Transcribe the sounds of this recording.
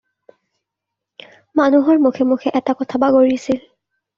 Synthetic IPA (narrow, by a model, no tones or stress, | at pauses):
manuɦɔɹmukʰemukʰɛʔɛtakɔtʰabaɡoɹisil